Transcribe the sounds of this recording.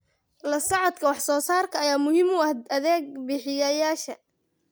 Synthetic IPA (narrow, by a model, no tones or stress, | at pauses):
lɐsɑʕɔd̪kʰɐwɑħsɔːsaːrkʰɐɐjaːmʊhiːmʊɐhd̪ɐðɛːɡ̚bɪħɪjɐjaːʃɐ